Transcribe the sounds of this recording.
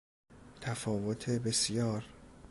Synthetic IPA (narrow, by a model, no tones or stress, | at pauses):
t̪ʰæfɒːvot̪ʰebe̞sjɒːɾ